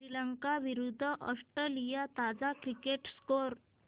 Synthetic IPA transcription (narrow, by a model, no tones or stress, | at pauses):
ɾiləŋkaʋiɾud̪ʱːəʔɔsʈɾelijat̪ad͡zakɾikeʈskoɾ